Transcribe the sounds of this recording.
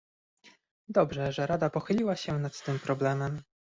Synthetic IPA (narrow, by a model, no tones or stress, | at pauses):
d̪ɔbʐɛʐɛɾad̪apɔxɘlʲiwaɕɛnat̪t̪ɘmpɾɔblɛmɛm